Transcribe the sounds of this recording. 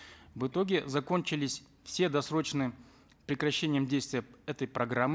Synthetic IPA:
vɨt̪o̞ɡʲɪzɐko̞nʲt͡ɕɪlʲɪsʲ | fsʲe̞d̪ɐsɾo̞t͡ɕnɨjə | pɾʲɪkɾɐɕːenʲɪjəmdʲejst̪vʲɪjəɛt̪əjpɾɐɡɾamːɨ

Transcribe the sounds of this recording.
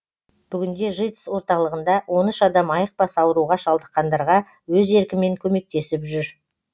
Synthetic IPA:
b̥ʏɡʲɪnd̪e̞ʒijt̪ə̥swo̞ɾt̪ɑlˠəʁənd̪ɑwʔo̞nʏʃɑd̪ɑmɑjəq̚pɑsɑwəɾuʁɑʃɑlˠd̪əqːɑnd̪ɑɾʁɑ | wɵze̞ɾkʲɪme̞ŋkʲʰɵme̞k̚t̪e̞sɪpʒʏɾ

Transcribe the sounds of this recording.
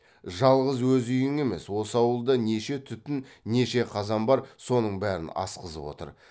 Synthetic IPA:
ʒɑlˠʁəzwɵzʏjɪŋe̞me̞swo̞səɑwəlˠd̪əne̞ʃe̞t̪ʰʏt̪ɪnne̞ʃe̞qʰɑzɑmbɑɾso̞nəɴbæɾɪ̰nɑ̰sqəzə̰pwo̞̰t̪ə̰ɾ

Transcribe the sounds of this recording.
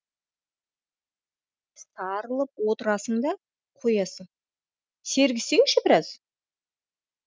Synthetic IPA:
st̪ɑɾəlˠəp̚wo̞t̪əɾɑsəɴd̪ɑ | qʰojɑsəŋ | se̞ɾɡʲɪse̞ŋʃɪbɪɾɑz̥

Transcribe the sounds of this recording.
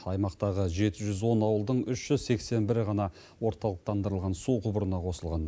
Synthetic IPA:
ɑjmɑqt̪ɑʁəʒe̞t̪ɪʒʏzwo̞nɑwəlˠd̪əɴʏʃʒ̥ʏzse̞kse̞nbɪɾʁɑnɑ | wo̞ɾt̪ɑlˠəq̚t̪ʰɑnd̪əɾəlˠʁɑnsuqʰʊbəɾənɑqʰo̞səlˠʁɑn

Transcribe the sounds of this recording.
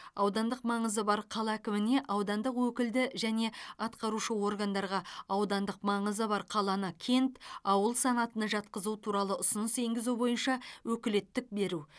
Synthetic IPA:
ɑwd̪ɑnd̪əqmɑɴəzəbɑɾqʰɑlˠɑækʲɪmɪne̞ʔɑwd̪ɑnd̪əqwɵkʲɪld̪ɪʒæne̞ɑt̪qɑɾuʃəwo̞rɡand̪ɑɾʁɑɑwd̪ɑnd̪əqmɑɴəzəbɑɾqʰɑlˠɑnəkʲʰe̞nt̪ɑwəlˠsɑnɑt̪ənəʒɑt̪qəzut̪ʰuɾɑlˠəʔʊsʊnəse̞ŋɡʲɪzubo̞jənʃɑwɵkʲɪle̞t̪ːɪk̚be̞ɾu

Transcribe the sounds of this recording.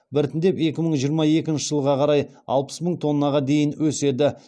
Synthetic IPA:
bɪɾt̪ɪnd̪e̞pe̞kʲɪməɴʒijəɾmɑe̞kʲɪnʃɪ̥ʒəlˠʁɑqʰɑɾɑj | ɑlˠpə̥sməŋt̪ʰo̞nːɑʁɑd̪e̞jɪnwɵse̞d̪ɪ

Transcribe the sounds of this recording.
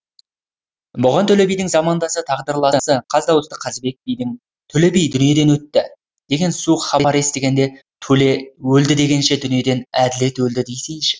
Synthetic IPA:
bʊʁɑnt̪ʰɵle̞bijd̪ɪŋzɑmɑnd̪ɑsət̪ʰɑʁd̪əɾlˠɑsəqʰɑzd̪ɑwəst̪ə̥qʰɑzbe̞k̚bijd̪ɪŋ | t̪ʰɵle̞bijd̪ʏnije̞d̪e̞nwɵt̪ːɪ | d̪̥e̞ɡʲe̞nsuqχɑɑɾe̞st̪e̞ɡʲe̞nd̪e̞ | t̪ʰɵlewɵld̪ɪd̪e̞ɡʲe̞nʃe̞d̪ʏnije̞d̪e̞næd̪ɪle̞t̪wɵld̪ɪd̪ejsejʃɪ̥

